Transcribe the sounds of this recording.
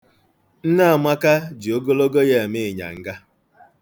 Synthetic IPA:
n̩˦na˦a˨mʷa˦ka˦d͡ʒi˨o˦ɡo˦lo˦ɡo˦je˦˨mɪ˦˨ɲa̰˨ŋ̩˦ɡa˦

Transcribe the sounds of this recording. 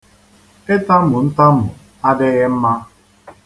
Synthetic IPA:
e˦ta˦m̩˦mʊ˨n̩˦ta˦mʊ̰˨ | a˦dɪ˦ɣɪ˦m̩˦ma˦

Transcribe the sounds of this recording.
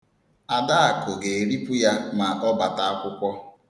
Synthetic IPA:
a˨da˦a˨kʊ˨ɡe˨ɾi˦pu˦ja˦ma˨ʔɔ˦ba˨ta˦a˦kʷʊ˦kʷɔ˦

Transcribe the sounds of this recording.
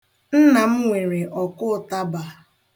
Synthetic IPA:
n̩˦na˨m̩˦ŋʷe˨ɾe˨ʔɔ˨kʊ˦˨ta˦ba˨

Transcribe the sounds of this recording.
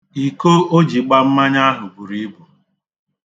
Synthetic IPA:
i˨ko˦o˦d͡ʒi˨ɡ͡ba˦m̩˦ma˦ɲa˦ɦʊ˨ɡʷu˨ɾi˦bu˨

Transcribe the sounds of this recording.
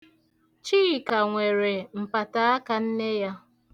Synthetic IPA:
t͡ʃi˦˨ka˨ŋʷe˨ɾe˨m̩˨pa˨ta˨˦a˦ka˨n̩˦ne˦ja˦

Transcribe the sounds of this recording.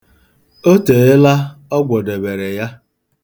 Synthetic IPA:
o˦te˨˦e˦la˦ɔ˦ɡʷɔ˨de˨be˨ɾe˨ja˦

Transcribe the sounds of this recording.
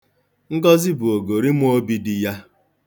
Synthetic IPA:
ŋ̩˦ɡɔ˦zɪ˦bu˨o˨ɡo˨ɾi˦m˦o˦bi˦di˨ja˦

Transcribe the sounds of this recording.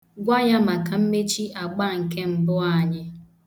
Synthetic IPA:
ɡʷa˦ja˦ma˨ka˨m̩˦me˦t͡ʃi˦a˨ɡ͡ba˦˨ŋ̩˨ke˦m̩˨bʊ˦a˦˨ɲɪ˦

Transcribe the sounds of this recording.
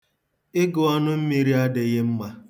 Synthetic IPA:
ɪ˦ɡʊ˨ɔ˦nʊ˦m̩˦mi˨ɾi˦a˦dɪ˨ɣɪ˦m̩˦ma˦

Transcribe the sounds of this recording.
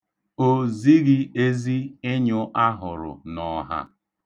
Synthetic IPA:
o˦˨zi˦ɡɪ˦e˦zi˦ɪ˦ɲʊ˦ʔa˦ɦʊ˨ɾʊ̰˨nɔ˨ɦa̰˦

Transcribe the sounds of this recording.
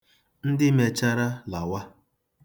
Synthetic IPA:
n̩˦dɪ˦me˨t͡ʃa˦ɾa˦la˨wa˦

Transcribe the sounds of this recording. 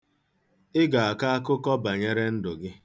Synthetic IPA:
ɪ˦ɡa˨a˨ka˦a˦kʊ˦kɔ˦ba˨ɲe˦ɾe˦n̩˦dʊ˨ɡɪ˦

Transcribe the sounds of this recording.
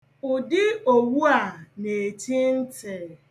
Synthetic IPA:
ʊ˨dɪ˦o˨wu˦a˨ne˨ti˦n̩˦te˨

